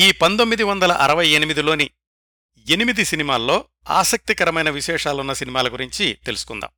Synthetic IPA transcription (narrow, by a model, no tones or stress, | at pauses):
iːpɐnt̪o̞mːid̪iʋɐnd̪ɐlɐ̰ʔɐɾɐʋɐje̞nimid̪ilo̞ːni | enimid̪isinimaːlːo̞ː | a̰ːsɐk̚t̪ikɐɾɐmɐjnɐʋiʃɛːʂaːlunːɐsinimaːlɐɡuɾiɲt͡ʃit̪e̞lusu̥kund̪a̰ːm